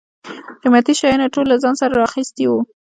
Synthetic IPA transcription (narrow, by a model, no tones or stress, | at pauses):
qimat̪iʃɑjɑnaʈolːazɑnsaɾaɾɑxist̪iwu